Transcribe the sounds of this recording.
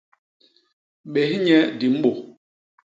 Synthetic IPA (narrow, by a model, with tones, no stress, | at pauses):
ɓe˨hɲɛ˦di˨m̩˦ɓo˨